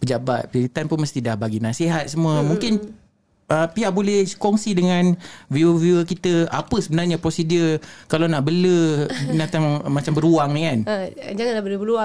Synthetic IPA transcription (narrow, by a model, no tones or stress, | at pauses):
pəd͡ʒaba̰t̪̚pilit̪anpʊnməst̪idahbaɡinasiɦat̪̚səmũəmuŋkɪn | əpiaʔbolɛhkɔŋsidəŋãnviəviəkit̪əapəsəbənarɲapɾosidəkalawnaʔbələnat̪aŋmat͡ʃambəɾuaŋnikanəd͡ʒaŋanabələbəɾua